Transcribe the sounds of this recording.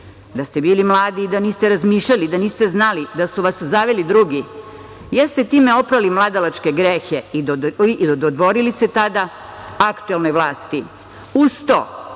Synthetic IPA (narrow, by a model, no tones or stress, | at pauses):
d̪ast̪ebiːlimlˠaːd̪iːd̪aniːst̪eɾazmiːʃʎalid̪aniːst̪eznalid̪asuʋaszaʋelid̪ɾuɡi | jest̪et̪iːmeo̞pɾalimlˠad̪alat͡ʃkeɡɾexeid̪od̪ʋo̞ɾiliset̪ad̪a | akt̪uelno̞jʋlˠaːst̪i | ust̪o̰